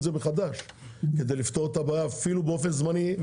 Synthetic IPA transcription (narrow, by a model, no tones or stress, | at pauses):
zebeχad̪aʃ | ked̪ejlift̪o̞ʁet̪abajaafilubeo̞fe̞nzmaniv